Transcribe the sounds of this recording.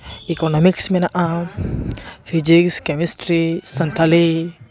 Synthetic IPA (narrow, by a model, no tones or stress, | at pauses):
ikonɔmiksmenaʔã | fid͡ʒikskemisʈɾisɐnt̪ʰale